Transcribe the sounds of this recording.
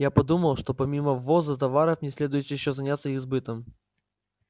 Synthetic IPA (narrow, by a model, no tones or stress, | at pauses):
japɐd̪uməlˠʂt̪o̞pɐmʲiməvːozət̪ɐvaɾəfnʲɪsʲlʲe̞d̪ʊjɪt̪jɪɕːozɐnʲat̪səɪzbɨt̪əm